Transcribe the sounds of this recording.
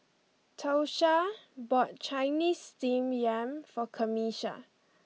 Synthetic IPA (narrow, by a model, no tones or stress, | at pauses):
tʰoʃabɔt̚t͡ʃajnistĩmjɛ̃mfɔkʰəmiʃa̰